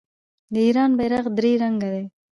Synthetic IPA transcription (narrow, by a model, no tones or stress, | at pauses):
d̪əiːɾɑːnbajɾaqd̪ɾiːɾaŋɡad̪e